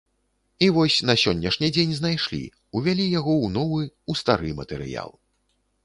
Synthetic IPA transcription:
ivɔsʲnɐsʲɔnʲːɐʂnʲid͡zʲenʲznajʂlʲḭ | uvʲalʲijaɣɔwnɔvɨust̪aɾɨmɐ̰t̪ɛɾɨ̰ja̰lˠ

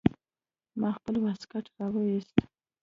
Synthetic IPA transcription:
mɑxpəlwaskaʈɾɑwəwist̪

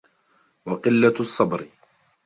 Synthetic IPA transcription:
wɑqɪlːaɑsˤːɑbɾɪ

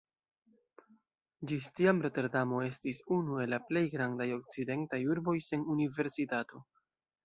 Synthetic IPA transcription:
d͡ʒistiamɾe̞te̞ɾdamo̞e̞stisunue̞laple̞jɡɾandajo̞k̚t͡side̞ntajuɾbo̞jsenunive̞ɾsitato̞

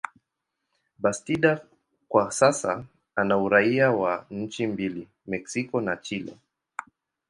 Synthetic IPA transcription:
bastiɗa | kwasasa̰ | anauɾaiawaɲ̩t͡ʃimbili | mɛksikɔnat͡ʃilɛ̰

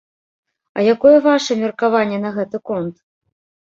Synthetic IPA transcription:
ɐ̰jakɔjɛvaʂɐmʲirkavanʲːɛn̪ɐɣɛt̪ɨkɔnt̪

